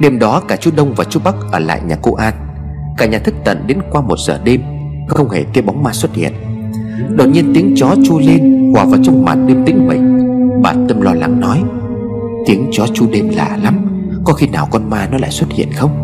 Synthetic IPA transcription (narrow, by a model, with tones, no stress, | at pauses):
ɗe˧mɗɔ˨˦kaː˧˩t͡ɕu˨˦ɗə˧wŋ͡mvaː˨˩t͡ɕu˨˦ɓa˦˥k̚ʔəː˧˩la̰ː˧˨jɲaː˨˩ko˧ʔaː˧n | kaː˧˩ɲaː˨˩t̪ʰɨ˦˥k̚t̪ə̰˧˨nɗe˨˦nkwaː˧mo˨˩t̚səː˧˩ɗe˧m | xə˧wŋ͡mhe˧˩t̪e˨˦əɓa˨˦wŋ͡mmaː˧swə˦˥t̚hḭ˧˨ən | ɗə˨˩t̚ɲi˧ənt̪i˨˦əŋt͡ɕɔ˨˦t͡ɕu˧le˧nhwaː˨˩vaː˨˩wt͡ɕɔ˧wŋ͡mma̰˨˩t̚ɗɨ˧əmt̪ï˨˦ŋ̟mə̰˨˦ŋɓaː˨˩t̪ə˧mlɔ˧la˨˦ŋnɔ˨˦j | t̪i˨˦əŋt͡ɕɔ˨˦t͡ɕu˧ɗe˧mla̰ː˧˨˩la˨˦m | kɔ˨˦xi˧naː˨˩wkɔ˧nmaː˧nɔ˨˦la̰ː˧˨jswə˦˥t̚hḭ˧˨ənxə˧wŋ͡m